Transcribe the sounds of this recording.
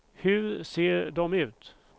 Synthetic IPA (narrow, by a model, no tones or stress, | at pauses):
hɵɾseːɾɖɔmʉ̟ːt̪